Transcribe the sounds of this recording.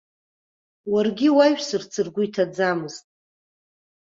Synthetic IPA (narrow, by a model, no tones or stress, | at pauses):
warɡʲɪwaɥᶣsɨrt͡sʰɨrɡʷʊitʰad͡zamɨztʼ